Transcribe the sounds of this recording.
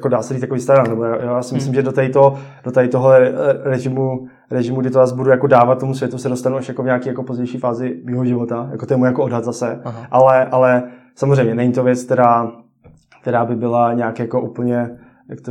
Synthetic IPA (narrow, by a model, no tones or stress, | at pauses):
jakodaːsɛɾit̪jakoiːst̪aɾannɛbojajojaːsɪmɪɪslɪmʒɛdot̪ait̪o | d̥ot̪aɪt̪oɦoɾɛʒɪmu | ɾɛʒɪmuɡdɪt̪ojaːsbudujakodaːvat̪̚tːomusvjɛt̪usɛdost̪anuaʃjakovɲaːkiːjakopozɟɛjʃiːfaːzɪmiːɦoʒɪvot̪aja̰kot̪ojɛmuːjakoodɦat̪zasɛʔalɛʔalɛsamozrɛjmɲɛnɛɲit̪ovjɛt͡sk̚t̪ɛɾaː | k̚t̪ɛɾaːbɪbɪlaɲɛakjakoʔupl̩ɲɛ | jakt̪o